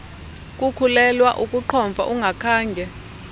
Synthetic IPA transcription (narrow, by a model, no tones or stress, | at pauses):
k̬ʼukʰulɛlwaʔukʼuǃʰɔɱvʱa̰ʔuŋɡʱakʰaːŋɡʱɛ